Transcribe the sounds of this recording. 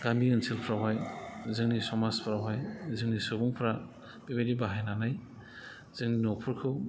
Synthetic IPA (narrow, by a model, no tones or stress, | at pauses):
ɡ̥andiɯnsʰilpʰɾawɦajzɯŋnisɔmaspʰɾawɦajzɯŋnisɯbuŋpʰɾa | b̥ibedibaɦajnanaj | z̥ɯŋninɔpʰɯɾkʰɯw